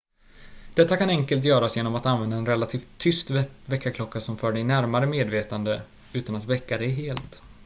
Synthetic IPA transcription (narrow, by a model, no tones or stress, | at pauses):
d̪̥ɛt̪ːakanɛŋkəlt̪̬jœːɾasjeːnɔmat̪anvɛnd̪aɛnɾɛlːat̪ʰiːft̪ʰːʏst̪vɛkːakʰlɔkːasɔmfœːɖɛjnæɾmaɾəmeːd̪veːt̪and̪ə | ʉ̟ːt̪anat̪vɛkːad̪ɛjɦeːlt̪